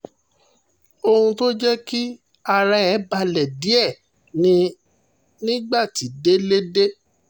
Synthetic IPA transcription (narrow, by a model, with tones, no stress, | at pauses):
o˧hũ˧to˦d͡ʒɛ˦ki˦ | a˧ɾa˦ɛ˨˦ba˧lɛ˨di˨˦ɛ˦˨ | nĩ˧ | nĩ˦ɡ͡ba˦˨ti˨˦de˦le˦de˦